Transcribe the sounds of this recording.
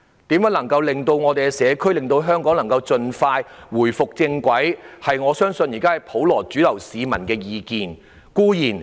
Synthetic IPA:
t̪iː˨˥mjɐː˨˥nlɐ˨˩ŋkɐ˧wlɪ˨ŋt̪o˧wŋɔː˨˧t̪e˨jkɛ˧sɛː˨˧kʰɵ˥ɥlɪ˨ŋt̪o˧wɦœː˥ŋkɔː˨˥ŋlɐ˨˩ŋkɐ˧wt͡ʃɵ˧nfaː˧jwuː˨˩jfʊ˨k̚t͡sɪ˧ŋkʷɐ˨˥jhɐ˨jŋɔː˨˧sœː˥ŋsɵ˧njiː˨˩kaː˥hɐ˨jpʰo˨˥wlɔː˨˩t͡ʃyː˨˥lɐ˨˩wsiː˨˧mɐ̰˨˩nkɛː˧jiː˨˧kiː˨n | kuː˥jiː˨˩n

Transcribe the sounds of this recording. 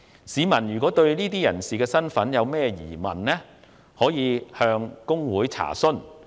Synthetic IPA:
siː˨˧mɐ˨˩njyː˨˩kʷɔː˨˥t̪ɵ˧ɥniː˥t̪iː˥jɐ̰˨˩nsiː˨kɛː˧sɐ˥nfɐ˨˥njɐ˨˧wmɛː˥jḭː˨˩mɐ̰˨˩nlɛː˥ | hɔː˨˥jiː˨˧hœː˧ŋkʊ˥ŋwuː˨˥jt͡sʰa̰ː˨˩sɵ˥n

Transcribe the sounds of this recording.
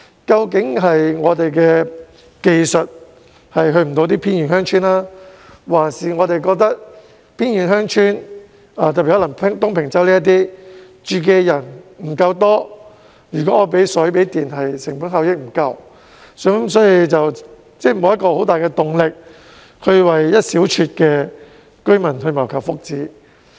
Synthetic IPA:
kɐ˧wkɪ˨˥ŋɦɐ˨jŋɔː˨˧t̪e˨jkɛː˧ | ke˨˧jsɵ˨t̚ | hɐ˨jɦɵ˧ɥm̩˨˩t̪o˨˧wt̪iː˥pʰiː˥nɥyː˨˩nɦœː˥ŋt͡ʃʰyː˥nlaː˥ | waː˨˩nsiː˨ŋɔː˨˧t̪e˨jkɔː˧k̚t̪ɐ˥k̚ | pʰiː˥nɥyː˨˩nɦœː˥ŋt͡ʃʰyː˥n | a˨˧t̪ɐ˨pːi˨hɔː˨˥lɐ˨˩ŋpʰŋt̪ʊ˥ŋpʰɪ˨˩ŋt͡sɐ˨˥wliː˥jɐ˥t̪̬iː˥ | t͡ʃyː˨kɛː˧jɐ˨˩nm̩˨˩kɐ˧wt̪ɔː˥ | jyː˨˩kɔː˨˥˨p̬e˨˥jsɵ˨˥pe˨˥jt̪iː˨nɦɐ˨jsɪ˨˩ŋpuː˨˥nɦɐ˨˧wjɪ˥k̚m̩˨˩kɐ˧w | sɔ˨˥sɔː˨˥ji˨˧t͡sɐ˨w | t͡sɛː˥˩m̩˨˧wjɐ˥kɔː˧ho˨˥wt̪aː˨jkɛ˧t̪ʊ˨˩ŋlɪ˨k̚ | hɵ˧ɥwɐ˨jːɐ˥t̚siː˨˥wt͡ʃʰyː˧t̚kɛː˧ | kɵ˥ɥmɐ˨˩nɦɵ˧ɥmɐ˨˩wkʰɐ˨˩wfʊ˥k̚t͡siː˨˥

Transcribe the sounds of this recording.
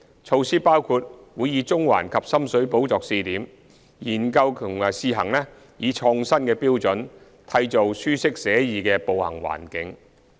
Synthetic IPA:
t͡ʃʰo˨˧wsiː˥paː˥wkʰuː˧t̚wuː˨˧jːiː˨˧t͡sʊ˥ŋwa̰ː˨˩nkʰɐ˨p̚sɐ˥msɵ˨˥ɥpo˨˥wt͡sɔː˨k̚siː˧t̪iː˨˥m | jiː˨˩nkɐ˧wkʰʊ˨˩ŋ˨siː˧ɦɐ˨˩ŋlɛː˥ | jiː˨˧t͡ʃʰɔː˧ŋsɐ˥nkɛː˧piː˥wt͡sɵ˨˥n | t̪ʰɐ˧jt͡so˨wsyː˥sɪ˥k̚sɛː˨˥jiː˨kɛː˧po˨whɐ̰˨˩ŋwa̰ː˨˩nkɪ˨˥ŋ

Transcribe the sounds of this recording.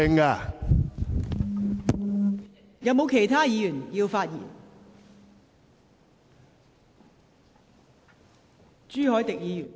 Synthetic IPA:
ɪ˧˥ŋaː˧ | jɐ˨˧wmo˨˧wkʰe˨˩jt̪ʰaː˥jiː˨˧jyː˨˩njiː˧wfaː˧t̚jḭː˨˩n | t͡ʃyː˥hɔː˨˥jt̪ɪ˨k̚jiː˨˧jyː˨˩n

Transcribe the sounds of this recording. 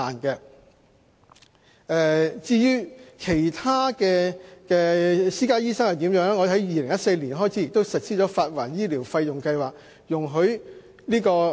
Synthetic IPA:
aː˨˩nkɛ˧ | ʔɛː˧t͡siː˧jyː˥kʰe˨˩jt̪ʰaː˥kɛː˧kɛː˧siː˥kaː˥jiː˥sɐ˥ŋhɐ˨˩wt̪iː˨˥mjœː˨˥ŋlɛ˥ŋɔː˨˧hɐ˨˥jjiː˨˧lɪ˨˩ŋjɐ˥t̚se˧jli˨˩nɦɔː˥jt͡sʰi˨˥jɪ˨k̚t̪o˥wsɐ˨t̚siː˥t͡ʃɔ˨˥faː˧t̚waː˨˩njiː˥liː˨˩wfɐ˧jjʊ˨ŋkɐ˧jwaː˨k̚ | jʊ˨˩ŋɦɵ˨˥ɥ | niː˥kɔː˧

